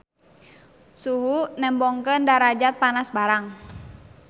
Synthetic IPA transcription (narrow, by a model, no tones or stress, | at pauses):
suɦunɛmbɔŋkəndaɾad͡ʒat̪̚panasbaɾaŋ